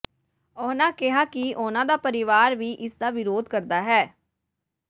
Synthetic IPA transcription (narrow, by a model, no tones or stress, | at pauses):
ɔːnãːkɪɦaːkɪʔʊnãːd̪aːpəɾɪʋaːɾʋiːʔɪsd̪aːʋɪɾoːd̪kəɾd̪aːɦɛː